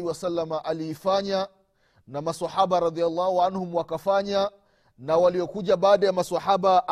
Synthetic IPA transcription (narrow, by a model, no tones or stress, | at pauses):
iwasalːamaʔaliːfaɲa | namasaħaɓaɾɑd̪ialːɑːhuʕanhumwakafaɲa | nawaliɔkuʄaɓaːɗajamaswaħaɓaʔ